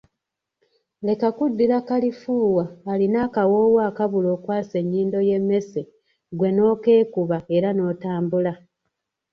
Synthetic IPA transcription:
le̞kakudːiɾakalifuːwaːlinaːkawo̞ːwaːkaβulo̞ːkwaːse̞ɲːiːndo̞je̞mːe̞se | ɡwe̞no̞ːke̞ːkuβae̞ɾano̞ːtaːmbula

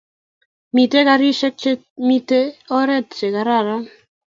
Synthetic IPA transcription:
mit̪eɡaɾiʃek̚t͡ʃe | mit̪eɔɾɛt̪t͡ʃeɡaɾaɾa

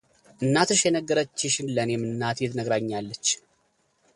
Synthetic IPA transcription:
ʔɨnːat̪ʰɨʃjɛnəɡːɨɾət͡ʃːɪʃɪnlənjɛmːɨnːat̪jɛt̪nəɡɾaɲːalːət͡ʃː

